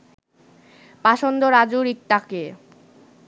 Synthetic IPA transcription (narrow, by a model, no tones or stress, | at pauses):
paʃond̪oɾad͡ʑuɾik̚ʈ̪ake